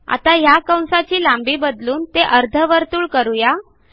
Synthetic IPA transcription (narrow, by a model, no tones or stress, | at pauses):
a̰t̪ajakə̃w̃sat͡ɕiːlambiːbəd̪luːnt̪eʔəɾd̪ʱəʋəɾt̪uːɭkəɾuja